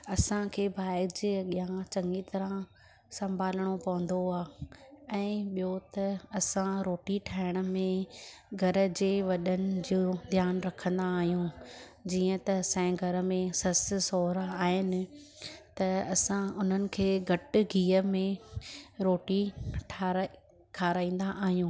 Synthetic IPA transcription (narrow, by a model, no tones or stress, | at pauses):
ɐsãkʰeːbʱaːɪd͡ʑeɠiãt͡ɕɐ̃ŋɡit̪ɐɾã | sɐ̃mbʱaːləɽ̃opɐʋə̃nd̪oaːɛ̃ːɓijot̪ɐɐsãɾoːʈiʈʰaːɪɽ̃ə̆mẽɡʱɐɾə̆d͡ʑeːʋɐɗənɪ̆d͡ʑod̪ʱjaːnɾɐkʰə̃nd̪aːɦijũ | d͡ʑiːə̃t̪ɐsãɡʱɐɾə̆mẽsɐssoːɾaaːɦɪnɪ̆ | t̪ɐɐsãʊn̤ənɪ̆kʰeːɡʱɐʈɪ̆ɡʱiːəmẽ | ɾoːʈiʈʰaɾ | ʈʰaːɾaːĩːnd̪aʔaːɦijũː